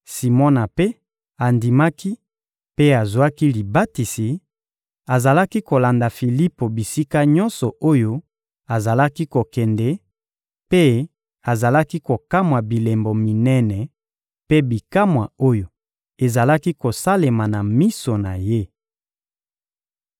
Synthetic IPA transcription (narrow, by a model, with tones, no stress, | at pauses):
si˨mɔ˦na˨pe˦ | a˨ndi˨ma˦ki˦ | pe˦a˨zwa˦ki˦li˨ba˦ti˨si˨ | a˨za˨la˦ki˦ko˨la˨nda˨fi˨li˦po˨bi˨si˦ka˦ɲɔ˦nsɔ˨ʔo˦jo˦ | a˨za˨la˦ki˦ko˨kɛ˨ndɛ˨ | pe˦ | a˨za˨la˦ki˦ko˨ka˦mwa˨bi˨le˨mbo˨mi˨nɛ˦nɛ˨ | pe˦bi˨ka˦mwa˨o˦jo˨ | e˨za˨la˦ki˦ko˨sa˦le˨ma˨na˨mi˦so˨na˨je˦